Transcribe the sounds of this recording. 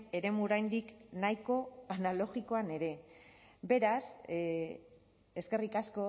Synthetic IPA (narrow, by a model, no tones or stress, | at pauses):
e̞ɾe̞muoɾajnd̪iknajko̞analo̞ɣiko̞ane̞ɾe̞be̞ɾas | eske̞rikasko̞